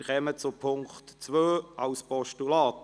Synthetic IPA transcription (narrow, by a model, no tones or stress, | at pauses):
χɛmət͡sʊpʰʊŋktt͡sʋøːɑʊspɔʃtulɑːt̪